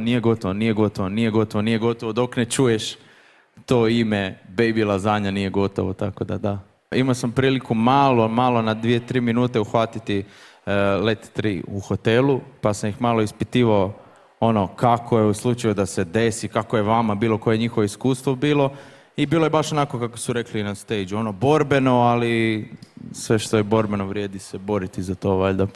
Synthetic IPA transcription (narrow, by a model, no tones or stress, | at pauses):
nijeɡo̞t̪oʋonijeɡo̞t̪oʋonije̞ɡo̞t̪oʋonije̞ɡo̞t̪oʋod̪o̞knet͡ʃuje̞ʃ | t̪oːimebejbilˠazaɲanije̞ɡo̞t̪o̰ʋot̪akod̪a̰d̪a | imaosampɾiːlikumalomalo̞nad̪ʋije̞t̪ɾiːminuːt̪e̞uxʋat̪it̪i | let̪t̪ɾḭuxo̞t̪elˠupasamjixmaːlˠoispit̪iːʋao | o̞no̞kakʰojeuslˠut͡ʃajud̪ase̞d̪e̞sikakoje̞ʋamabiːlˠo̞ko̞je̞ɲixo̞ʋoiskuːst̪ʋobiːlˠo̞ | ibiːlo̞je̞baʃonako̞kako̥suɾe̞klinast̪ejd͡ʒuo̞nobo̞ɾbe̞no̞ali | sʋe̞ʃt̪o̞jebo̞ɾbe̞noʋɾʲjeːd̪isebo̞ɾit̪izat̪o̞ʋaʎd̪a